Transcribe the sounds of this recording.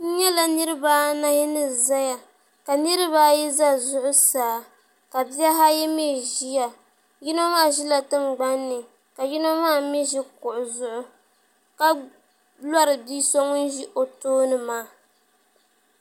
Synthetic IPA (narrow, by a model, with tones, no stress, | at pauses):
n̩˦ɲɛ˦la˨nɨ˦ɾɨ˦ba˦na˦hɛ˦nɨ˦za˦ja˨ | ka˨nɨ˦ɾɨ˦ba˦jɛ˦za˦zʊ˦ʔʊ˦saː˨˦˨ | ka˨bi˦ɛ˦ɦa˦jɛ˦me˦˨ʒi˦ja˨ | ji˦no˦maː˦˨ʒi˦la˨tɨ˦mɡ͡ba˦nːɨ˨ | ka˨ji˦no˦maː˦˨˦mɛ˦ʒi˦kʊ˨ʔʊ˨zʊ˦ʔʊ˦ | ka˦ | la˦ɾɨ˨biː˦so˦ŋ˦n˦ʒi˦ʔo˨toː˦nɨ˨maː˦˨